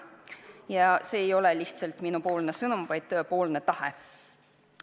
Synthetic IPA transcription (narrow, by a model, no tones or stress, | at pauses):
jɑse̞ːjo̞leliht̪sɑlt̪minupo̞ːlne̞sɤnumvɑjd̪̥̚t̪øːpo̞ːlne̞t̪ɑhḛ